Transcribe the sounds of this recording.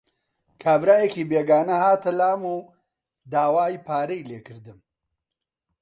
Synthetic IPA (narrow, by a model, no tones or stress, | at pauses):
kʰaːbɾaːjekiːbeːɡaːnɐhaːt̪ʰɐlaːmuː | d̪aːwaːjipaːɾɐjleːkʰɨɾd̪ɨm